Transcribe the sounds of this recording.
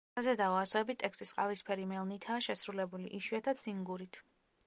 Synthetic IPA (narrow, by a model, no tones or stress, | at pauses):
azɛd̪aasɔɛbit̪ʼɛkst̪ʼisqʼa̰vispʰɛɾimɛlˠnit̪ʰaːʃɛsɾulɛbuliʔiʃwiat̪ʰat̪sʰiŋɡuɾit̪ʰ